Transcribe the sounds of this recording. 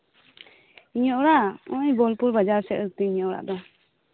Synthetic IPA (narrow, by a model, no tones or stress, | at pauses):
iɲɔʔɽaʔɔ̃ɲbɔlpuɾbad͡ʒaɾsɛʔɾt̪ɛiɲɔʔɽa̰ʔd̪ɔ